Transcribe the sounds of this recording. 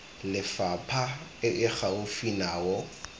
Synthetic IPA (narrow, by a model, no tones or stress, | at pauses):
lɪfapʰaɪʔɪχʰaʊfinaːwɔ